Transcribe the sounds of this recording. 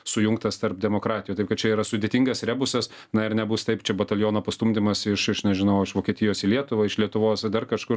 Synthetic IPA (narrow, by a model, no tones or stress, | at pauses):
sʊjʊŋk̚t̪ɐst̪ɐɾpd̪ʲɛmoːkɾɑːt̪ʲɪjuːt̪ɐɪpkɐt̪t͡ʃʲɛiːɾɐsʊdʲeːt̪ʲiŋɡɐsɾʲæːbʊsɐs | nɐɪɾnʲɛbʊst̪ɐɪpt͡ʃʲɛbɐt̪ɐlʲjoːnoːpɐst̪umʲd̪ʲɪmɐsɪʃɪʃnʲɛʒʲɪnɐʊɪʃʋoːkʲiɛt̪ʲɪjoːsɪlʲiɛt̪ʊʋɐɪʃlʲiɛt̪ʊʋoːsd̪ɐrkɐʃkʊɾ